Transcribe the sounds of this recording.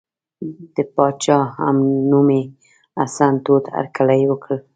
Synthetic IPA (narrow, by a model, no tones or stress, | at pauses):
d̪̥əpɑd̪t͡ʃɑa̰mnume | asant̪ot̪aa̰ɾkalajwəkəl